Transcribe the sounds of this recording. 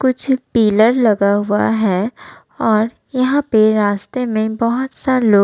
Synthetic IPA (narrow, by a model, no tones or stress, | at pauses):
kʊt͡ʃʰpiːləɾlɐɡaɦʊa̰ɦɛː | ɔːɾ | jɐɦãpeɾaːst̪emẽbɐɦʊt̪saloː